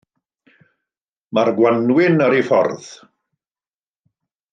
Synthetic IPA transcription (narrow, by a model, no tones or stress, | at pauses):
marɡwanwɪnəɾifɔ̰rð̥